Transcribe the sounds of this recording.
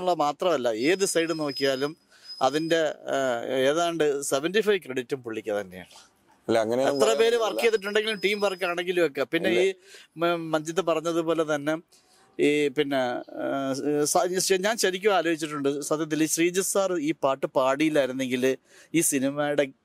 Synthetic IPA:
uɭːɐmaːt̪rɐmɐlːɐeːðisɐjɽɨno̞ːkːijaːlum | ɐ̰ðinde̞ | eːðaːɳɖɨseʋendifɐjʋkreɽitːumpuɭːikʲːɐt̪ɐnːeja̰ːɳɨ̥ | lɐŋːɐneet̪ːrɐpe̞ːɾeʋɐrkːijɐðiʈ̬ːuɳɖeŋɡilumʈiːmʋɐrkːaːɳeŋɡiluokːepinːeiː | mɐnd͡ʑit̪ːepɐrɐɲːɐðɨpo̞ːle̞t̪ɐnːe̞ | ipinːe̞ | sɐɐɲaːnɕɐɾikʲːuaːloːbit͡ɕːiʈːuɳɖɨsɐd̪ʱjɐt̪̬ːiliɕriːd͡ʑɐsaːrɨiːpaːrʈːɨpaːɽijilːaːiɾunːe̞ŋɡil | iːsinimajɽe

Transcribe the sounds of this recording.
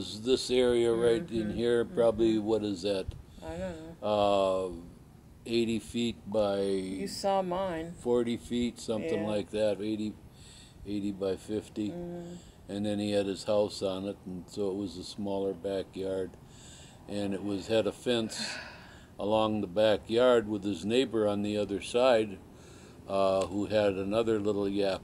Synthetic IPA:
ʌzðɪsɛɹiɨɹaɪɾɨ̃nɦiɹpʰɹ̥ɑbəbliwʌɾɨzɨɾ | ʌ | eɪɾifit̚b̥aɪjɨsɔmãɪ̃nfɔɹɾifitsʌ̃mθɪ̃ŋlaɪk̚ðæteɪɾi | eɪɾibaɪfɪfti | ɨ̃nðɨ̃niɨɾ̚ɨz̥haʊsn̩ɨɾn̩soʊət̚wʌzəsmɔlˠə˞bækjɑɹd | ʔɨ̃nɨt̚wʌz̥ɨɾɨfɛ̃ns | ʔəlɔ̃ŋðəbækjɑɹd̚wəð̥ɨzneɪbə˞ə̃nðiʌðə˞saɪd̚ | huɨɾɨnʌðə˞lɪɾl̩ˠjæp

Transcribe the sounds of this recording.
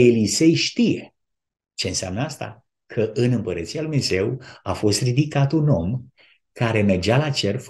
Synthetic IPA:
elise̞jʃt̪ijḛ | t͡ʃe̞ɨnsea̰mnəast̪a̰ | kʰəʔɨnɨmpəɾət̪sialmneze̞wafo̞st̪rid̪ikat̪uno̞m | kaɾe̞me̞rd͡ʒalat͡ʃe̞rf

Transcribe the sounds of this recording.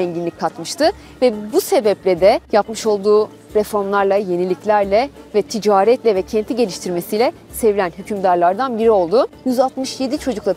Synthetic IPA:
ɛɲɟinlʲicʲkʰːat̪mɯʃt̪ʰɯ | vɛbuse̞bɛplʲɛd̪ɛjapmɯʃo̞lˠd̪uː | ɾefo̞ɾmlˠaɾlˠaje̞nilʲiclʲæɾlʲɛvɛt̪ʰid͡ʒaːɾɛt̪lʲɛvɛcʰɛnt̪ʰiɟe̞lʲiʃt̪ʰiɾme̞sijlʲɛse̞vilʲænɦycʰymd̪aɾlˠaɾd̪anbiɾio̞lˠd̪ujyzalt̪mɯʃje̞d̪it͡ʃʰo̞d͡ʒuklˠa

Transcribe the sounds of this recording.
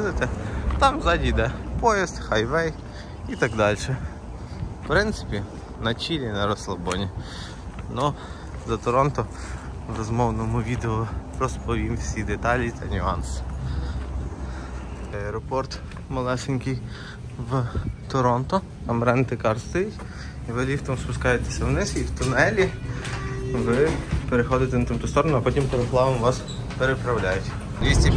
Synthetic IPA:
nɪt̪et̪ɑmzɑdʲijd̪ɛpɔjist̪xɐjʋɛj | it̪ɑɡd̪ɑlʲʃɛ | pɾɪnt̪sɪ̥pʲi | nɐt͡ʃʲilʲinɐɾɔslˠɐbɔnʲi | nu | zɐt̪ɔɾɔnt̪ɔ | ʋɾɔzmɔwnɔmʊʋʲid̪eɔrɔspɔʋʲimwsʲid̪et̪ɑlʲit̪ɐnʲʊɑns | ɛɐɛɾɔpɔrt̪ | mɐlˠɛʃɪnʲkʲij | wt̪ɔɾɔnt̪ɔ | t̪ɑmɾɛnt̪ɪkɑrst̪ɔjitʲ | iʋɪlʲift̪ɔmspʊskɑjet̪e̥sʲɐwnɪsiwt̪ʊnɛlʲi | ʋɪpeɾexɔd̪ɪt̪ɛnɐt̪ɪmt̪ʊst̪ɔɾɔnʊɐpɔtʲimpeɾɔplˠɑʋɐmʋɑs | peɾepɾɐwlʲajʊtʲ | dʲisʲtʲi

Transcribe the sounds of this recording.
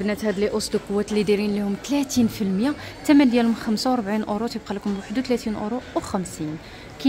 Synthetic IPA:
bnæt̪hæd̪liʔosˤd̪lqowːæt̪lid̪iɾinlihʊmt̪læt̪infilmja | t̪æmænd̪jælhʊmxæmsawɾˤbʕinʔʊɾut̪jəb̚qɑlækʊmwaħəd̪uwt̪læt̪inʔʊ̰ɾuwxæmsin | kæ

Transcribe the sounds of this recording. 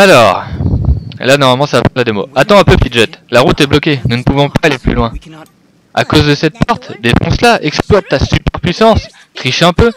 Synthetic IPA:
alɔːʁ̰ | lanɔʁmalmɑ̃sapɑ̃lad̪emo̰at̪ɑ̃ɛ̃pøt̪iʒɛt̪laʁut̪ɛblɔkʲenunəpuvɔ̃paːleply̰lwɛ̃ | a̰kozd̪əsɛt̪̚pɛʁt̪d̪efɔ̰̃slaʔɛksplwat̪ːasypɛʁpɥisɑ̃s | t̪χiʃɛ̃pø

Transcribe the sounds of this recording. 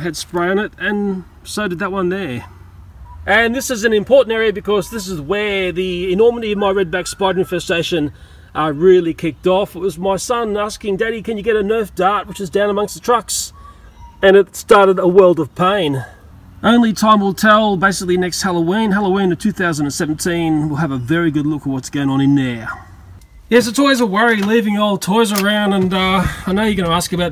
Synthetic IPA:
ɨdspɹæ̃nɪtɨ̃n | soʊdɨd̪̚ðət̚wʌ̃nðə˞ | ʔɨ̃nðɪsɨzɨ̃nɨ̃mpʰɔɹʔn̩tɛɹiɨbɨkʰʌzðɪs̬ɨzwə˞ðiɪnɔɹməɾiʌvmaɪɹɛd̚bækspaɪdʉnfɨsteɪʃɨ̃n | ʔə˞ɹɪlˠikʰɪk̚tɔfɪt̚wʌzmaɪsʌ̃næskɪ̃ŋdæɾikɨ̃njɨɡɛɾɨnɜ˞fd̥ɑɹt̚wət͡ʃɨzdãʊ̃nəmʌ̃ŋkst̪ðətʰɹ̥ʌks | ɨ̃nɨtstɑɹɾɨɾəwɜ˞lˠdʌv̥pʰẽɪ̃n | ʔõʊ̃nlitʰãɪ̃mwəlˠtʰɛlˠbeɪsɨklinɛkst̚hælˠəʊwĩnɦælˠəʊĩnɨtʰʉθaʊz̃ndɨ̃n̩sɛṽn̩tʰĩnwɪlˠəvəvɛɹiɡʊdˡlʊkəwʌtsɡ̥oʊɪ̃ŋə̃ñɨ̃nðə˞ | jɛs̬ɨtsɔlˠwizəwɛɹilivɪ̃ŋɔlˠtʰɔɪzə˞ãʊ̃ndə̃nʌaɪnoʊjɨɡʌnəæskɨbaʊ

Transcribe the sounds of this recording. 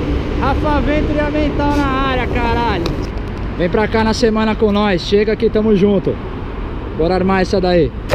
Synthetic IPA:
hafɐvẽt̪ɾiɐmẽnt̪awnaaɾjɐkaɾaʎʊ | vẽj̃pɾakanɐsemɐ̃nɐkõnɔsʃeɡɐkɪt̪ɐ̃mʊzʒũt̪ʊ | bɔɾɐaɾmaɛsɐd̪ai

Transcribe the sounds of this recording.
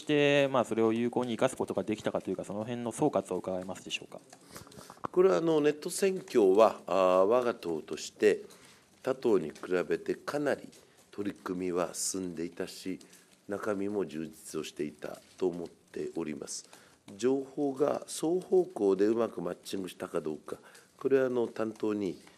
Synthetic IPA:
oi̥t̪e̞maːso̞ɾe̞o̞jɯ̟ːko̞ːɲ̟iːkasɨ̥ko̞t̪o̞ɡad̪e̞kʲi̥t̪akat̪o̞jɯ̟kaso̞no̞ɦẽ̞nːo̞so̞ːkat͡sɨo̞ɯ̟kaɡaemasɨd̪e̞ɕo̞̰ːkḁ | ko̞ɾe̞ano̞ne̞t̪ːo̞sẽ̞ŋkʲo̞ːβaβaɡat̪o̞ːt̪o̞ɕi̥t̪e̞ | t̪at̪o̞ːɲ̟ikɯ̟ɾabe̞t̪e̞kʰanaɾʲḭ | t̪ʰo̞ɾʲikɯ̟mʲiβa̰sɨ̃nd̪e̞it̪aɕi | nakamʲimo̞d͡ʑɨːd͡ʑi̥t͡sɨo̞ɕi̥t̪e̞it̪a̰t̪o̞ːmo̞t̪ʰːe̞ʔo̞ɾʲḭma̰sɨ̥ | d͡ʑo̞ːho̞ːɡa̰so̞ːho̞ːko̞ːd̪e̞ɯ̟makɯ̟mat͡ɕt͡ɕːĩŋɡɯ̟ɕi̥t̪akad̪o̞ːkako̞ɾe̞βano̞t̪ãnt̪o̞ːɲ̟i

